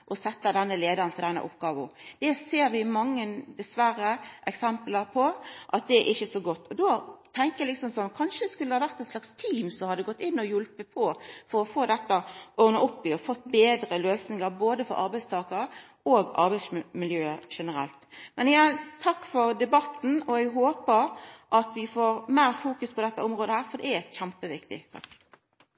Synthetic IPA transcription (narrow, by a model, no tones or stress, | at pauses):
ʔɔsɛt̪ːɑd̪ɛnːəleːd̪əɾənt̪ʰɪld̪ɛnːə̰ʔʊ̰pɡɑːʋʊd̪̥ɛseːɾʋɪmɑŋːənd̪ɛsʋæɾəʔɛksɛmpləɾpʰɔʔɑt̪̚d̪ɛʔɪçːəsɔɡɔt̪ːɔd̪oːt̪ʰɛŋkəjæɪlɪksɔmsɔmkʰɑnʃəd̪ɛskʉlːəhɑːʋæʁt̪ɛɪt̪slɑkst̪ʰiːmsɔmhɑd̪ːəɡɔt̪ːɪnːɔjʊlpəpʰɔfɔɾɔfoːd̪ɛt̪ːəʔɔnɑɔpːɪɔfɔt̪ːbeːd̪ɾəløːsnɪŋəɾboːd̪əfɔ̰ɾʔɑ̰ɾbæɪst̪ʰɑːkɑɾə | oːɡɑ̰ɾbæɪsmɪljøːəʂɛnəɾɛ̰lt̪mɛnjɑt̪ʰɑkːfɔɾd̪ɛbɑt̪ːn̩ɔæɡɦoːpəɾʔɑt̪ʋɪfoːɾmæːɾfuːkʉspʰɔd̪ɛt̪ːəɔmʁoːd̪əhæːɾfɔɾd̪ɛ̰æɛt̪çæmpəʋɪkt̪ɪ̰t̪ʰɑ̰kː